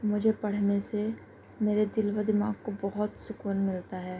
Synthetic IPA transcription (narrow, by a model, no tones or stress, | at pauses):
mʊd͡ʒʱepɐɽ̤nese | meːɾed̪ɪlwəd̪ɪmaːɡkobɐɦʊt̪sʊkuːnmɪlt̪aɦɛː